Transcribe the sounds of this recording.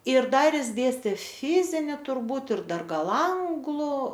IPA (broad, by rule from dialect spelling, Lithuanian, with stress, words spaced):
ɪr ˈdɐr ˈjɪs ˈdʲeːsʲtʲeː ˈfʲɪzʲɪnʲɪ tʊrˈbuːt ɪr ˈdɐr ˈɡɐlˠ ˈɐŋɡlˠʊ